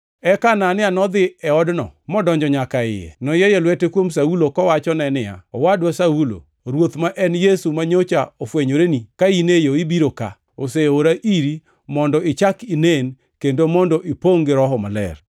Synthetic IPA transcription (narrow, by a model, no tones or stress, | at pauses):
ɛkananɪanɔd̪ɪɛɔdnɔ̰mɔdɔɲd͡ʒɔɲakaɪ̰jɛ̰nɔjɛjɛlwɛtekwomsaulokɔwat͡ʃɔnɛnɪa̰ɔwadwasaulo̰ | ɾwot̪maʔɛnjesumaɲot͡ʃaofweɲoɾenikainejoibiɾoka̰ | oseoɾaʔiɾi | mɔndɔɪt͡ʃakinen | kendomɔndɔʔipoŋɡɪɾɔɦɔma̰lɛ̰r